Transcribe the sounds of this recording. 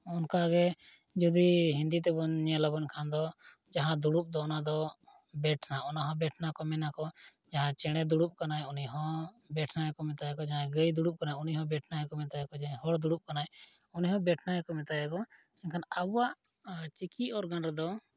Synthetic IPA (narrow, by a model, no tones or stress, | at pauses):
ɔnkaɡɛ | d͡ʒɔd̪iɦind̪it̪̬ɛbɔɲɲalabɔɲkʰand̪ɔ | d͡ʒaɦãd̪uɽup̚d̪ɔɔnad̪ɔ | bɛʈʰnaɔnaɦɔ̃bɛʈʰnakɔmɛnakɔ | d͡ʒaɦãt͡ʃɛɽ̃ɛd̪uɽup̚kanajuniɦɔ̃ | bɛʈʰnaɛkɔmɛt̪ajɛkɔd͡ʒaɦãɡəjd̪uɽup̚kanajuniɦɔ̃bɛʈʰnaɛkɔmɛt̪ajɛkɔd͡ʒaɦɔɽd̪uɽup̚kanaj | uniɦɔ̃bɛʈʰnaɛkɔmɛt̪ajɛkɔ | ɛnkʰanabuwaʔ | t͡ʃikiɔɾɡanɾɛd̪ɔ